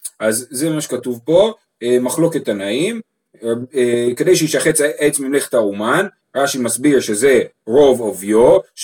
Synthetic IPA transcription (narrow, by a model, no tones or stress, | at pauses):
ʔazzememaʃekatuvpo̞ | emaχlo̞ke̞tanaim | eke̞dejʃeiʃaχet͡sʔet͡smimleχe̥tauman | ʁaʃimasbiʁʃe̞ze̞ʁo̞vovjoʃ